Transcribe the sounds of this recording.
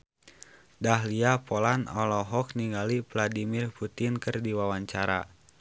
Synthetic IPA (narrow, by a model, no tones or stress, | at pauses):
daɦliapɔlanɔlɔɦɔk̚niŋɡalivladimirput̪inkɨrdiwawaɲt͡ʃaɾa̰